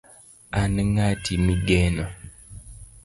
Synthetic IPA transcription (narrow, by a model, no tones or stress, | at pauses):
aneŋatʰimiɡeːno